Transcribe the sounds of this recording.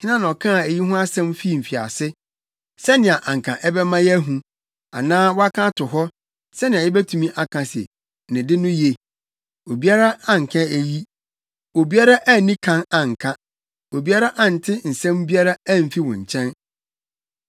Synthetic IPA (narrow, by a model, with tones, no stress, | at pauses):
ɲʰɪ˦nã˦ñ˨ɔ˨kʰã˦a˨e˨ji˦ɦʊ̃˦a˦sɛ̃˦mfi˦˨m̩˨fi˨a̰˨sɪ˦ | sɛ˦nɪ̃˨a˨ʔã˨ŋ̩˨kʰã˨ʔɛ˦bɛ˦mã˦jɛ˦ɦũ˦ | a̰˨nãː˦wɔ˦a˦kʰã˦tʰʊ˨ɦɔ˦ | sɛ˦nɪ̃˨a˨jɪ˦bæ˦tʰũ˨mĩ˦ʔa˨kʰã˨sɪ̰˨ | nɪ̃˨dɪ˦nʊ̃˦je˨ | o˨bi˦a˦ɾa˦a˨ŋ̩˨kʰã˦e˦ji˦ | o˨bi˦a˦ɾa˦ʔæ˦˨nĩ˦kʰã˦nã˨ŋ̩˨kʰã˦ | o˨bi˨˦a˦ɾa˦ʔa˦˨n̩˨tʰɪ˦n̩˨sɛ̃˦m˦bi˦a˦ɾa˦æ˦˨m̩˨fi˦wɔ̰̃˨ɲ̩˨t͡ɕʰɛ̃˦n